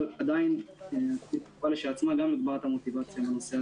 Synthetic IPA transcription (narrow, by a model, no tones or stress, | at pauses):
lad̪aineitu̥paleʃelat͡smaɡamliɡbaʁat̪amo̞t̪ivat͡sjameno̞sea